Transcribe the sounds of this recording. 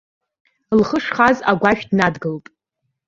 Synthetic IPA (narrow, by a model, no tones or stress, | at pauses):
lχəʂχazaɡʷaʃᶣdnadɡɨltʼ